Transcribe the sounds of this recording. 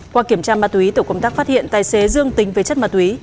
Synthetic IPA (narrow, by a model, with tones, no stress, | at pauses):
kwaː˧ki˧˩əmt͡ɕaː˧maː˧˩t̚wi˨˦t̪o˧˩kə˧wŋ͡mt̪aː˦˥k̚faː˦˥t̚hḭ˧˨ənt̪aː˨˩jse˨˦zɨ˧əŋt̪ï˨˦ŋ̟və˨˦t͡ɕə˦˥t̚maː˧t̚wi˨˦